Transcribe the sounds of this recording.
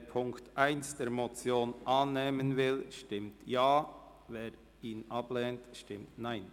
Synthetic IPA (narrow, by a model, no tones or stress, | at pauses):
pʰʊŋktʔaɪnsd̥eːɾmot͡sjoːnʔɑːnːeːmənvɪlʃtɪmtjɑː | veːɾ | iːnʔɑblɛːntʃtɪmtnaɪn